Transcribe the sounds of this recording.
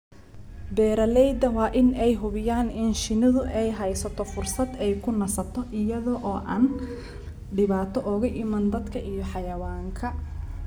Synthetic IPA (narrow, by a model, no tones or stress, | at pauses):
bɛːɾɐlɛjd̪ɐwɑːʔɪnɛjɦʊβɪjaːnɪnʃɪnɐðʊʔɛjɦɛjsɐt̪ʰɔfʊrsɐd̪ɛjkʰʊnɐsɐt̪ʰɔʔɪjɐðɔʔɔːʔaːn | ɖɪβaːt̪ʰɔʔɔɣɐʔɪmaːnd̪ɐd̪kʰɐʔijɔħɑjɐwaːŋkʰɐ